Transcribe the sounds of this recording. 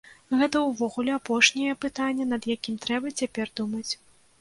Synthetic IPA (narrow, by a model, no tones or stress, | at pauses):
ɣɛt̪ɐwvɔɣulʲɛapɔʂnʲɛjɛpɨt̪anʲːɛnɐd̪jakʲimt̪ɾɛbɐt͡sʲapʲɛrd̪umɐt͡sʲ